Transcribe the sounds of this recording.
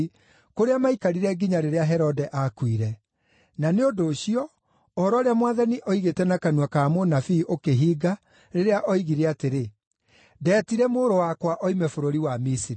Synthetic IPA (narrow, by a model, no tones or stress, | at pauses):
koɾeamaikaɾiɾɛɡiɲaɾeɾeaɦɛɾɔdɛʔakwiɾɛ | naneodoːɕiɔː | hɔɾɔɾeamwaðaniʔɔiɣetɛnakanuwakamonafiʔokeɦiːɡa | ɾeɾeaʔɔiɣiɾeateɾe | dɛːtiɾɛmoːɾowakwaʔɔimɛfoɾoɾiwamisiɾi